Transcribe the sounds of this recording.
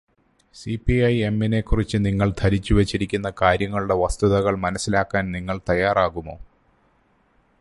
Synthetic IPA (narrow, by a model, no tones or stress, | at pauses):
sipiɐje̞mːine̞kːurit͡ɕːɨniŋːɐɭt̪ʰɐɾit͡ɕːuʋɐt͡ɕːiɾikʲːunːɐkaːɾjɐŋːɐɭuɽe̞ʋɐst̪uðɐɣɐɭmɐnɐsːilaːkːaːnniŋːɐɭt̪ɐjaːraːɣumo̞̰ː